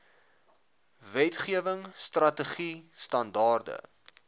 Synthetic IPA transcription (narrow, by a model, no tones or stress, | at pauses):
vɛtχiəvəŋstrɐtəχistɐndɑːrdə̰